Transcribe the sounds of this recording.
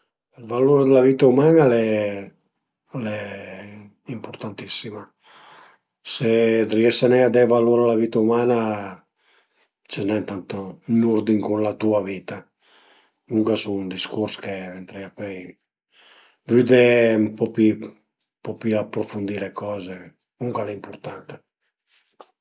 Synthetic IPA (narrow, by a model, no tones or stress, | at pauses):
elvaluɾed̪elaviːt̪aumaːnalɛ | alɛ | impoɾt̪ant̪isːima | sed̪ɾiɛsanɛad̪ɛvaluɾalaviːt̪aumaːna | t͡ʃinɛnt̪ant̪onuɾd̪iŋkunlat̪uaviːt̪a | nuŋkasuund̪iskuɾskevɛnt̪ɾɛapøj | vyd̪eumpɔpi | pɔpiapːɾofund̪ilekɔːze | nuŋkalɛimpuɾt̪ant̪e̥